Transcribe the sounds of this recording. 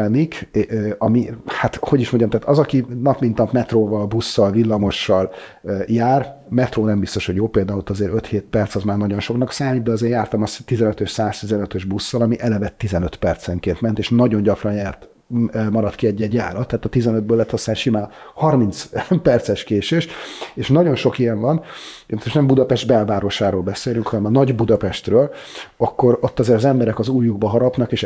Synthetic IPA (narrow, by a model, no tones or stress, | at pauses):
nikːɒmihat̪ho̞ɟiʃmo̞ɲɟɒmt̪aːt̪ɒzɒkinɒpmint̪ɒpmɛt̪roːvɒlbusːɒlvilːɒmo̞ʃːɒljaːr | mɛt̪roːnɛmbist̪o̞ʃhoɟjoːpeːld̪aːulot̪ːɒzeːɾø̞t̪heːt̪̚pɛrt̪sɒzmaːrnɒɟo̞nʃo̞knɒksaːmiːd̪̚d̪ɛɒzeːjaːrt̪ɒmɒst̪izɛnøt̪øʃsaːst̪izɛnøt̪ø̞ʒbusːɒlɒmiʔɛlɛvɛt̪ːizɛnøt̪pɛrt̪sɛŋkeːnt̪mɛnt̪eːʃnɒɟo̞ɲɟɒkrɒnjɛrt̪ː | mɒɾɒt̪kiɛɟːɛɟja̰ːɾɒt̪ːɛːt̪ɒt̪izɛnød̪̚bøːlːɛt̪ʰːost̪aːnʃimaːlhɒrmint̪spɛrt̪sɛʃkeːʃeːʃeːʃnɒɟo̞nʃo̞kijɛɱvɒnemsoʃnɛmbud̪ɒpɛʒd̪bɛlvaːɾo̞ʃaːɾoːlbɛseːlyŋkhɒnɛmɒnɒɟbud̪ɒpɛʃt̪røːlɒkːo̞ɾo̞t̪ːɒzeːɾɒzɛmbɛɾɛkɒzuːjːuɡbɒɦɒɾɒpnɒkeːʃ